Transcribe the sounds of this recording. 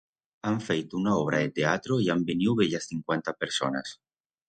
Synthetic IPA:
aɱfejt̪ounaoβ̞ɾaðet̪eat̪ɾoiambeniwβeʎasθiŋkwent̪apeɾsona̰s

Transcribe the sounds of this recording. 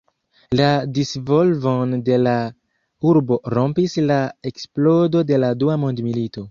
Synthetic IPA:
ladisvo̞lvonde̞la | uɾbo̞ɾo̞mpislae̞ksplo̞do̞de̞laduamondmilito̞

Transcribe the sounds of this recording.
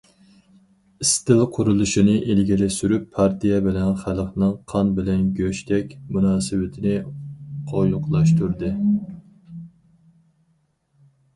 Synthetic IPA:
ist̪ɪlqʰʊɾulˠuʃinɨʔelɡʲilɪsyɾypʰːɑɾt̪ʰijɛbɪlɛnχælχnɨŋqʰɑnbɪlɛnɡʲøʃt̪ʰɛkʲmunɑːsɨwɪt̪ʰɪnɪqʰojʊqʰlˠɑʃt̪uɾd̪ɨ

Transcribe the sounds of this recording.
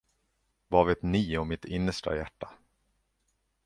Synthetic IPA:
vaveːt̪niːɔmɪt̪ʰɪnːəʂʈa̰jæ̰ʈːa

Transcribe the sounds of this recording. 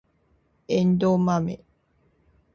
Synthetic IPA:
endomamḛ

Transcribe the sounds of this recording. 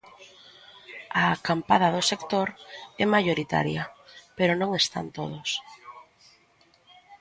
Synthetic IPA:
akampaðɐðʊsekt̪oɾɛmajoɾit̪a̰ɾjɐpeɾʊnõŋest̪a̰nt̪oð̞ʊs

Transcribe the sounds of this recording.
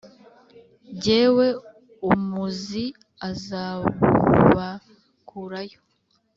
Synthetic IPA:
ɟeːwe̞ | umuzi | azaβṵβa | kʰuɾajo

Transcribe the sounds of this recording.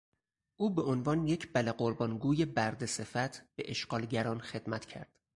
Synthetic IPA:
ʔuːbe̞onvɒːnje̞cʰb̥æleɢoɾbɒːnɡuːje̞bæɾd̪ese̞fæt̪ʰb̥eʔeʃɢ̥ɒːlɟæɾɒːnxe̞d̪̥mæt̪ʰcʰæ̰ɾd̪̥

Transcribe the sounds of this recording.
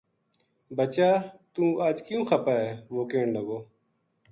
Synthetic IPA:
bət͡ʃaːt̪ũːaːd͡ʒkjũːxəpaːɦɛːʋoːkeːɳləɡoː

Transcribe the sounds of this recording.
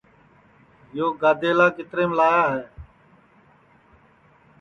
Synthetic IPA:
joːɡaːd̪ʱeːlaːkɪt̪ɾeːmlaːjaːɦɛː

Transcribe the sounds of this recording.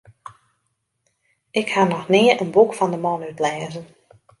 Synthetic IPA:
ɪkhanɔxnɪəɹʔənbukfɔndəmɔnytlɛːzən

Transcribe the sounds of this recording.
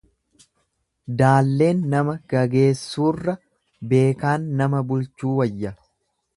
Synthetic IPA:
d̪aːlːe̞ːnːɐmɐɡ̥ɐɡe̞ːsːuːrːɐ | be̞ːkaːnːɐmɐbʊlt͡ʃːuːwɐjːɐ

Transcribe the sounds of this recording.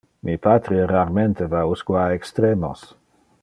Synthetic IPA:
mʔipat̪ɾieraɾment̪evauskuaekst̪ɾemo̰s

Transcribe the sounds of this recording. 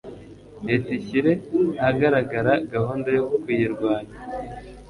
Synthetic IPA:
metiçiɾe̞haɡaɾaɡaɾaɡahoːndojokukwijiɾɡwaːna

